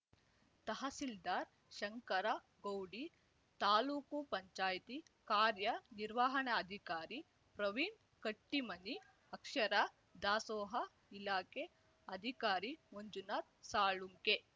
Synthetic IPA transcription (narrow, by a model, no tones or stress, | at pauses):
t̪ɐɦɐsild̪aːɾ | ʃɐŋkɐɾa | ɡowɽi | t̪aːluːkupɐɲt͡ʃaːjt̪ikaːɾjɐniɾʋaːɦɐɳɐɐd̪ʱikaːɾi | pɾɐʋiːn | kɐʈːimɐni | ɐkʃɐɾa | d̪aːsɔːɦɐ | ilaːke | ɐd̪ʱikaːɾimoɲd͡ʒunaːt̪̚saːɭuŋke